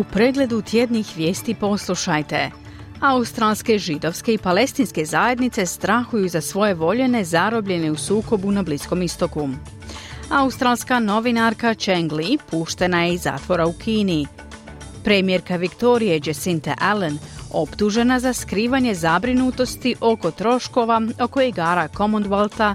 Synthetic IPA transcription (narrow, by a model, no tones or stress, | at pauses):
upɾe̞ɡle̞d̪ut̪ʰje̞d̪ɲixʋjeːst̪ipo̞slˠuʃajt̪e̞ | aust̪ɾalˠske̞ʒid̪o̞ʋske̞ipale̞st̪inske̞zaːje̞d̪nit̪se̞st̪ɾaxujuzasʋo̞je̞ʋo̞ʎe̞ne̞zaɾo̞bʎe̞ne̞usuːko̞bunablisko̞mist̪o̞ku | aust̪ɾalˠskano̞ʋinaɾkat͡ʃeŋɡlipuːʃt̪e̞najeiza̰ːt̪ʋo̞ɾaukʰiːni | pɾemije̞ɾkaʋikt̪o̞ɾije̞d͡ʒesint̪aʔeleno̞pt̪uʒe̞nazaskɾiːʋaɲe̞zabɾinut̪o̞st̪iʔo̞ko̞t̪ɾo̞ʃko̞ʋao̞ko̞iɡaːɾako̞mond̪ʋalˠt̪a